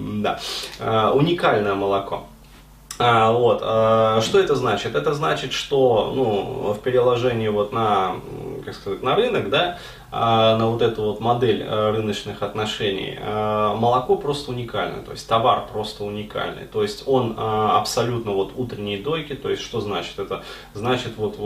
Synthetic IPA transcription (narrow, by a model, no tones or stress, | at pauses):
d̪a̰əʊnʲɪkalʲnəjəməlˠɐko̞̰ | əvo̞t̪əʂt̪o̞ɛt̪əznat͡ɕɪt̪ɛt̪əznat͡ɕɪt̪ʂt̪o̞nufpʲɪɾʲɪlˠɐʐɛnʲɪɪvo̞t̪nə | kakskɐzatʲnɐrɨnəɡd̪a | nəvo̞t̪ɛt̪ʊvo̞t̪mɐd̪ɛlʲərɨnət͡ɕnɨxɐt̪nɐʂɛnʲɪ̰jə̰məlˠɐko̞pɾo̞st̪əʊnʲɪkalʲnɨ̰jt̪o̞̰ɪsʲtʲt̪ːɐva̰rpɾo̞st̪əʊnʲɪka̰lʲnɨ̰jt̪o̞jɪsʲtʲo̞nəɐ̰psɐlʲut̪nəvo̞t̪ut̪ɾʲɪnʲɪjəd̪o̞jkʲɪt̪o̞jɪsʲʂt̪o̞znat͡ɕɪ̥t̪ɛt̪ə | znat͡ɕɪt̪vo̞t̪